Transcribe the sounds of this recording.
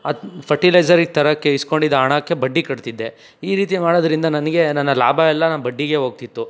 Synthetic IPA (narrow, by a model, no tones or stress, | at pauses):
ɐpʰɐɾʈilɐjd͡ʒɐɾiɡ̚t̪ʰɐɾɐkːeisko̞ɳɖid̪ɐaːɳakːe̞bɐɖːikɐɽt̪id̪ːe̞ | iːɾiːt̪̬imaːɽod̪ɐɾind̪ɐnɐnɐɡe̞nɐnːɐlaːbʱaɛlːɐnaːbɐɖːiɡe̞ɦoːɡ̚t̪it̪ːu